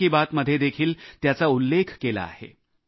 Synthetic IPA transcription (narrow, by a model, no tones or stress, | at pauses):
iːbat̪məd̪ʱjed̪ekʰiːlt̪jat͡saulːekʰkela̰ːhḛ